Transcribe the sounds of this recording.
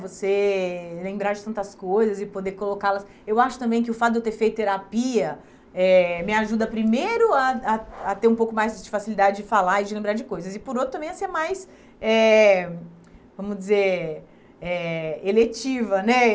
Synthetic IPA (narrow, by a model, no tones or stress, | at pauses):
voselẽmbɾaɾd͡ʒɪt̪ɐ̃nt̪ɐskojzɐzɪpod̪eɾkolokalɐs | ewaʃʊt̪ɐ̃bẽj̃kɪʊfat̪ʊd̪ewt̪eɾfejt̪ʊt̪eɾapiɐ | ɛmɪaʒud̪ɐpɾimejɾʊɐaat̪eɾũpowkʊmajzd͡ʒɪfasilid̪ad͡ʒɪd͡ʒɪfalaɾɪd͡ʒɪlẽbɾaɾd͡ʒɪkojzɐzɪpoɾot̪ɾʊt̪ɐ̃bẽj̃aseɾmajs | ɛ | vɐ̃mʊd͡ʒɪzeɾ | ɛelet͡ʃivɐnɛ